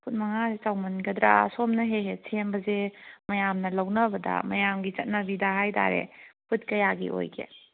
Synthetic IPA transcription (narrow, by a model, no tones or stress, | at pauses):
pʰut̚mɐŋazet͡ʃawmɐnɡɐdɾa̰somnɐɦeɦesʰembɐzemɐjamnɐlɐwnɐbɐdɐ̰mɐ̰jamɡit͡ʃɐt̚nɐbidɐɦajtʰa̰ɾḛput̚kɐjaɡḭʔo̰jɡʰḛ